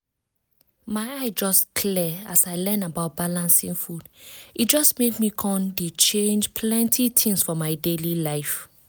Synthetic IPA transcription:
maɪaɪd͡ʒɔskʰlɛasaɪlɛ̃nabaʊt̚b̥alãnsĩŋfudit̚d͡ʒɔsmekmikʰɔ̃ndet͡ʃẽnd͡ʒpʰlɛ̃ntʰitʰĩŋsfɔmaɪdelilaɪf

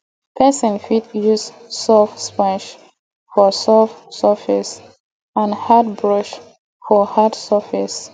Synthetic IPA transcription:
pʰɛsɔ̃nfitjus | sɔfspãnʃ | fɔsɔfsəfis | ãnhat̚bɹɔʃ | fɔhadsəfis

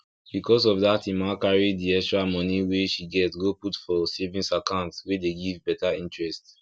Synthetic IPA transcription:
b̥ikɔs̬ɔvdatimakaɹidiɛkstɹamɔniweʃiɡɛtɡoputfɔsevĩŋsakãʊ̃ntswedeɡivbɛtaĩntɹɛst

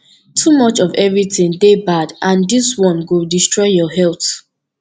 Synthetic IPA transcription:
tʰumʌt͡ʃɔvɛvɹitĩndebadʔãndiswɔ̃nwɪlˠdistɹɔɪjɔɦɛlˠθ

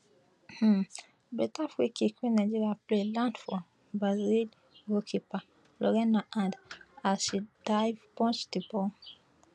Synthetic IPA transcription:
h̩ | bɛtafwikikʰwĩnad͡ʒiɾiaplelãndfɔ | bazil | wokʰipa | lɔɾɛnaʔãndaʃid̥ajvpɔ̃nt͡ʃtipɔ

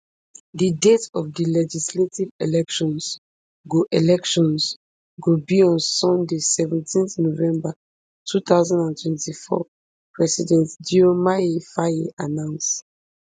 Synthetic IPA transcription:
didetɔfdilɛd͡ʒisletivelɛkʃɔ̃ns | ɡoʔelɛkʃɔ̃ns | ɡobiɔ̃nsɔ̃ndesɛvɛ̃ntʰĩnθnovɛ̃mba | tʰut̪aʊzãndãntʰwɛ̃ntifɔ̰ | pɹɛsidɛ̃ntdiomaefaeʔanãʊ̃nst

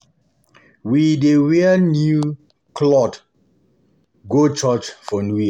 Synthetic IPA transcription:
widewɛənju | klɔt | ɡot͡ʃɔt͡ʃfɔnwi

